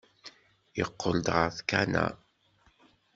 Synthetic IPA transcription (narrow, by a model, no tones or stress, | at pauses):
jəqːold̪ʁəɾθkænæ̰